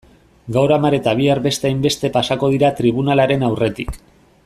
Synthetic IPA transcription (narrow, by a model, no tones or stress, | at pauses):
ɡawɾamaɾe̞t̪aβ̞iaɾβe̞st̪e̞ajmbe̞st̪e̞pasako̞ðiɾat̪ɾiβ̞unalaɾe̞nawre̞t̪ik